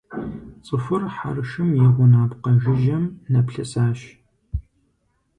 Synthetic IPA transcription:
t͡sʼɨfɨrħa̰ɾɨʃɨmjɛʁʷʊnaːpqɐʒɪʒɐmnɐpɬɐsaːɕ

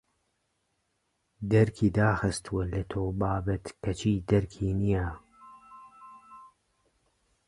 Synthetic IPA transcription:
d̪ɛɾkʰiːd̪aːxɨst̪wɛlɨt̪ʰoːbaːbɐt̪kɐt͡ʃʰiːd̪ɛɾkʰiːnijaː

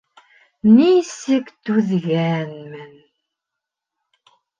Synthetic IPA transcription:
nisikt̪uðɣæːnmɘn

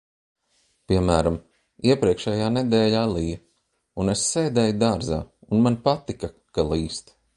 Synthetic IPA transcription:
pʲiɛmæːɾam | iɛpɾiɛkʃɛjaːnɛd̪ɛːlʲaːlˠij | unessɛjd̪ɛːjud̪aːɾza̰ːunmanpat̪ika | kalˠiːst̪

